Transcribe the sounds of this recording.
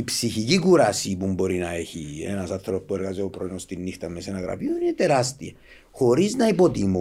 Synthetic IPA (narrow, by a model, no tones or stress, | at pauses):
ipsiçicikuɾɐsipumbo̞ɾinɐe̞çiḛnɐsɐθɾopueɾɣɐziopɾoinost̪inːixt̪ɐmːesenɐɣɾɐ̰pjoninet̪eɾɐst̪iɐ | xo̞ɾiznɐipo̞t̪imu